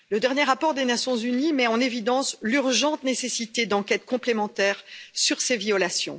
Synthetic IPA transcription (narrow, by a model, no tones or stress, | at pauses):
ləd̪ɛʁnjeʁapɔʁd̪enasjɔ̃zynimɛɑ̃nevid̪ɑ̃slyʁʒɑ̃t̪nesesit̪ed̪ɑ̃kʲɛt̪kɔ̃plemɑ̃t̪ɛːʁsyʁseviɔlasjɔ̰̃